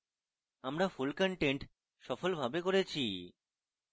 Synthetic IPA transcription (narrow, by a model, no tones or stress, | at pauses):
amɾafulkɔɳʈeɳʈ | ʃɔfolbʱabekoɾet͡ɕʰi